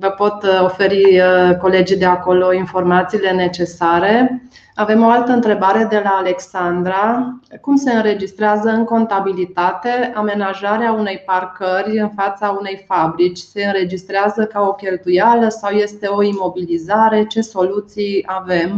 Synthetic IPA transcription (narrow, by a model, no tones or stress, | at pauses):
vəpo̞t̪o̞fe̞ɾiko̞le̞d͡ʒid̪e̞ako̞lo̞info̞rmat̪siːle̞ne̞t͡ʃe̞saɾe̞ | ave̞mo̞alt̪əɨnt̪ɾe̞baɾe̞d̪e̞laːle̞ksand̪ɾakumse̞ɨnɾe̞d͡ʒist̪ɾeazəɨŋko̞nt̪abilit̪at̪e̞ame̞naʒaɾeaune̞jparkərʲɨnfat̪saune̞jfabɾit͡ʃʲse̞ɨnɾe̞d͡ʒist̪ɾeazəkao̞kʲe̞lt̪ujaləsawje̞st̪e̞o̞imo̞bilizaɾe̞t͡ʃe̞so̞lut̪sijave̞m